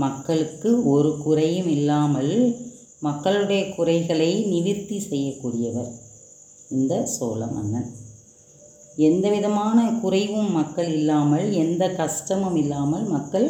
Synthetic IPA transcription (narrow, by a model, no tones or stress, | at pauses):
mɐkːɐɭɯkːɯɔɾɯkʊrɐjɯmɪlːaːmɐl | mɐkːɐɭɯɽɐjɐkʊrɐɪɣɐɭɐɪnɪʋɪt̪ːisɛjːɐkːuːɽɪjɐʋɐɾ | ɪnd̪ɐso̰ːlɐ̰mʔɐ̰nːɐn | ɛnd̪ɐʋɪðɐmaːnɐkʊrɐɪʋɯmːɐkːɐɭɪlːaːmɐlɛnd̪ɐkɐʂʈɐmɐmɪlːaːmɐlmɐkːɐɭ